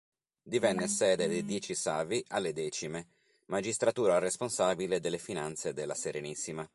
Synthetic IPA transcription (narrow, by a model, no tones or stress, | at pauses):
d̪ivɛnːesɛːd̪ed̪ejd̪jɛːt͡ʃisaːviʔalːed̪ɛːt͡ʃime | mad͡ʒist̪ɾat̪uːɾaresponsaːbiled̪elːefinant̪sed̪elːaseɾenisːima